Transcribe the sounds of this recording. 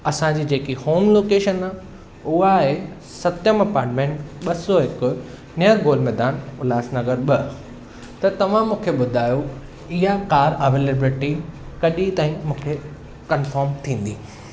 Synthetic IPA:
ɐsãd͡ʑiːd͡ʑeːkihoːmloːkeːʃəna | ʊɦaɦe | sɐt̪jəmɐpaːɾʈmẽːɳʈɓɐsoɦɪkʊ̆ | nɐjəɾɡoːlmɛːd̪aːnʊlaːsnɐɡəɾɓɐ | t̪ɐt̪ɐʋ̤ãmũːkʰeɓʊd̪ʱaːjo | ɪɦakaːɾɐʋeːlebɾɪʈikɐɗit̪aːĩmũːkʰe | kɐnfaːɾmt̪ʰĩːn̆d̪iː

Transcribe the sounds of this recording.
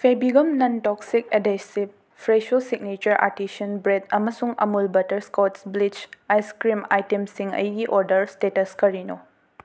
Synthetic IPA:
pʰebiɡɐmnɐntɔk̚sik̚edesib̚ | pʰɾeʃosik̚nit͡ʃɐɾʔa̰ɾtisɐnbɾedɐmɐsuŋɐ̰mulbɐtɐɾskɔtsblit͡ʃajskɾima̰jtemsiŋɐ̰jɡiʔɔɾdɐɾstetɐskɐɾino

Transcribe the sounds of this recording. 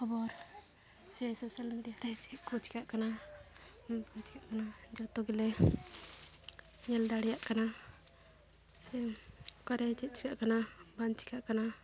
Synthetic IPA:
kʰɔbɔɾ | sɛsosalmiɖijaɾɛt͡ʃɛʔkɔt͡ʃi̥kaʔkana | ɔt͡ʃi̥kaʔkanad͡ʒɔt̪ɔɡilɛ | ɲɛldaɽɛjaʔkana | sɛkɔɾɛt͡ʃɛʔ̚t͡ʃʰi̥kaʔkanabant͡ʃʰi̥kaʔkana

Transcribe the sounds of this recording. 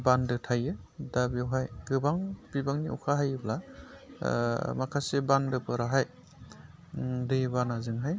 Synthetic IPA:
bandɯtʰajɯdabjawɦajɡɯbaŋbibaŋniʔɔ̰kʰaɦajɯbla̰ | makʰasebandɯpɯɾaɦaj | dɯjbanazɯŋɦaj

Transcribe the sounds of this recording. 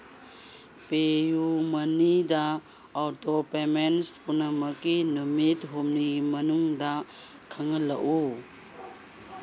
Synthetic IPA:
pejumɐnidɐ | ɔwtopemenspunɐmɐkinumitɦumnimɐnuŋda | kʰɐŋɐlɐʔu

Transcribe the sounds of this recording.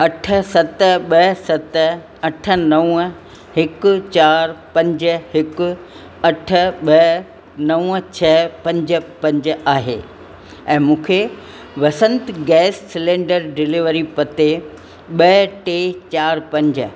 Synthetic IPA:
ɐʈʰə̆sɐt̪̆ɓɐsɐt̪ | ɐʈʰə̆nɐʋ | ɦɪkʊ̆t͡ɕaːɾpɐ̃ɲd͡ʑə̆hɪkʊ̆ | ɐʈʰə̆ɓɐ | nɐʋt͡ɕʰɐpɐ̃ɲd͡ʑə̆pɐ̃ɲd͡ʑaːɦḛː | ɛ̃ːmũːkʰe | ʋɐsə̃nt̪ɡɛːsːɪlẽːɖəɾɖɪlɪʋəɾipɐt̪e | ɓɐʈeːt͡ɕaːɾpɐ̃ɲd͡ʑə̆

